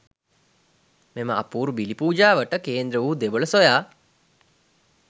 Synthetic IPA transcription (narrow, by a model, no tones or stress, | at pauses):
meməa̰puːɾubilipuːd͡ʒaːʋəʈəkeːnd̪ɾəʋuːd̪eʋələsojaː